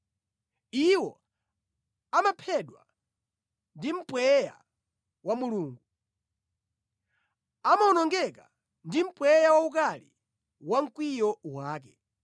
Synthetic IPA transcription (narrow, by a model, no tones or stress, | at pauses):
iwɔ | amapʰɛɗwa̰ | ndim̩pwɛja̰ | wamuluːŋɡu | amaunɔŋɡɛka | ndim̩pwɛjawauk̬alḭ | waŋ̩kwijɔwaːk̬ɛ̥